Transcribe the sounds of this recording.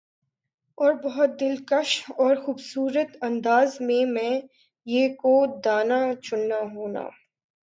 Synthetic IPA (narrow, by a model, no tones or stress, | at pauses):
ɔːɾbɐɦʊt̪̚d̪ɪlkəʃɔːɾxuːbsuːɾət̪ɐ̃nd̪aːzmẽmɛ̃ː | jeːkod̪aːnat͡ʃʊnːaɦoːna̰ː